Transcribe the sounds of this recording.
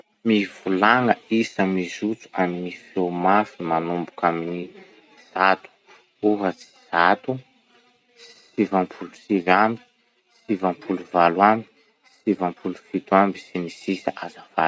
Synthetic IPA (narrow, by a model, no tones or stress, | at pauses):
mivulaŋəisəmizut͡su̥aminifewmafimanumbukamini | z̥at̪u̥ | uɦət͡si̥z̥at̪u | sivãmpʰulusivambi̥ | sivampʰuluvalwami̥ | sivampʰulufit̪uambi̥sinisisaʔazəva̰l